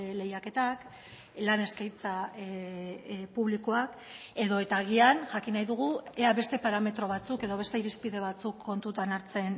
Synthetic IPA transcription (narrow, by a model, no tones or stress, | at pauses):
le̞jake̞t̪ak | lane̞skajt͡sa | puβlikoak | e̞ðo̞e̞t̪aːɣ̞ianʝakinajðuɣ̞ueaβe̞st̪e̞paɾame̞t̪ɾo̞β̞at͡suke̞ðo̞β̞e̞st̪e̞iɾispiðe̞β̞at͡sukʰːo̞nt̪ut̪anaɾt͡se̞n